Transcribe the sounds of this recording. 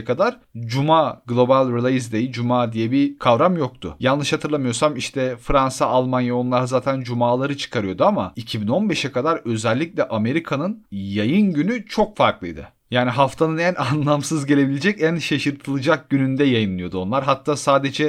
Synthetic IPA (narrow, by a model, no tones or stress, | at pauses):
kʰad̪aɾ | d͡ʒumaːɡlˠo̞balʲɾilʲˠajizd̪ejid͡ʒumaːd̪ijɛbikʰavɾamjo̞k̚t̪ʰʊ̰jalnlˠɯʃhat̪ʰɯɾlˠamɯjo̞samiʃt̪ʰɛfɾansaːlˠmanjao̞nlˠaɾɯzaːt̪ʰænd͡ʒumaːlˠaɾɯt͡ʃʰɯ̥kʰaɾɯjo̞d̪uama̰icʰibino̞nbɛʃɛkʰad̪aɾø̞zɛlʲːicʲlʲɛʔame̞ɾikʰanɯnjajɯnɟynyt͡ʃʰo̞kfaɾklˠɯjd̪ɯ̰ | jaːniɦaft̪ʰanɯnænanlˠamsɯzɟe̞lʲe̞bilʲed͡ʒɛcænʃaʃɯɾt̪ʰɯlˠɯd͡ʒak̚ɟ̥ynynd̪ɛjajɯnlˠɯjo̞d̪uo̞nlˠaɾɦat̪ʰːaːsaːd̪e̞d͡ʒɛ